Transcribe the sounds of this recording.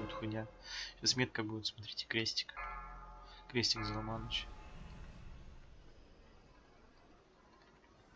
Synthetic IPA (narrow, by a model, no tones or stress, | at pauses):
ʊt̪xʊnʲa | ɕasmʲet̪̚kəbujʲɪt̪smɐt̪ɾʲetʲɪ̥kɾʲesʲtʲɪ̥k | kɾʲesʲtʲɪkzəlˠɐmanət͡ɕ